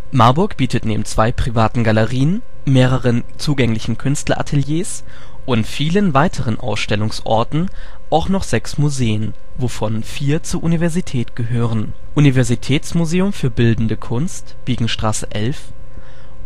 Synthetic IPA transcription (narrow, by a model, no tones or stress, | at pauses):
maɐbʊɐkb̥iːtətnḛːbm̩t͡sv̥aɪpʁ̥ivaːtn̩ɡaləʁiːən | meːʁ̞əʁən | t͡suːɡɛŋlɪçn̩kʰʏnstlɐ̰ʔa̰tʰɛljeːs | ʔʊntfiːlənvaɪtʰəʁənʔa̰ʊsʃtɛlʊŋsʔɔ̰ɐtn̩ | ʔaʊxnɔχz̥ɛksmuzeːən | vofɔnfiːɐt͡suːɐʔunivɛɐzitʰɛːtɡ̥əɦøːʁ̞ən | ʔunivɛɐzitʰɛːt͡smuzeːʊmfyːɐbɪldn̩dəkʰʊnstb̥iːɡŋ̩ʃtʁ̥aːsəʔɛlf